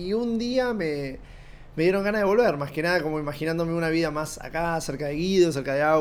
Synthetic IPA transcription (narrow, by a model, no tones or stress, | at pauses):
iund̪iame | me̞ð̞je̞ɾo̞ŋɡanaðe̞βo̞lβe̞ɾmaske̞naðako̞moimaxinãnd̪o̞meunaβiðamasa̰kaseɾkaðeɣiðo̞s̬e̞ɾkaðea